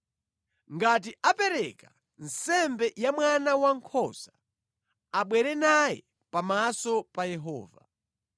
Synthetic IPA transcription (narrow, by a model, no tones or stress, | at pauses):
ŋɡat̬iʔapɛɾɛka | n̩sɛmbɛjamwanawaŋkʰɔzḁ | aɓwɛɾɛnajɛ̰ | pamasɔpajɛɦɔ̰ːva̰